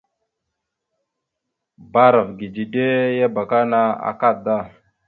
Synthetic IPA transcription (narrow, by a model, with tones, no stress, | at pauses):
ba˦ɾa˨vɡi˨d͡ʒi˨de˦ja˦ba˨ka˦na˦a̰˨ka˦da˦˨